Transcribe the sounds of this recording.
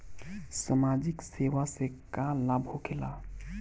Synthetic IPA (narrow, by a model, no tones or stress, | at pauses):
səmad͡ʒikseʋasekalabʱɦokʰela